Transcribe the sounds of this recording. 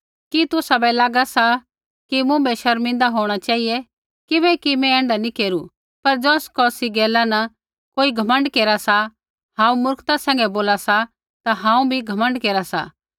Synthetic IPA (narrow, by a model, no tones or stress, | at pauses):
kit̪ʊsabɛlaːɡasa | kimũbɛʃɐɾmɪ̃nd̪aɦoːɽ̃at͡ʃaːɦijɛ | kɪbɛkimɛ̃ɛ̃ːɳɖanikeːɾu | pɐɾd͡ʒɔːskɔːsiɡɛːlanɐ | koːiɡʱɐmə̃ɳɖkeːɾasa | ɦãːũmʊɾkt̪asɛ̃ːŋɡɛboːlasa | t̪aɦãːũbʱiɡʱɐmə̃ɳɖkeːɾasa̰